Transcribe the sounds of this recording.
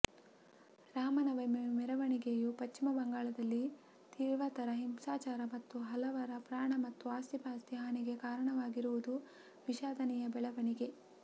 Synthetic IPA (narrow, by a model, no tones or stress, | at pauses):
ɾaːmɐnɐʋɐjmemɛɾɐʋɐɳiɡejupɐt͡ʃːimɐbɐŋɡaːɭɐd̪ɐlːi | t̪iːʋɐt̪ɐɾɐɦimsaːt͡ʃaːɾɐmɐt̪ːuɦɐlɐʋɐɾɐpɾaːɳɐmɐt̪ːuaːst̪ipaːst̪iɦaːniɡe̞kaːɾɐɳɐʋaːɡiɾuʋud̪u | ʋiʃaːd̪ɐnɛjɐbɛɭɐʋɐɳiɡe̞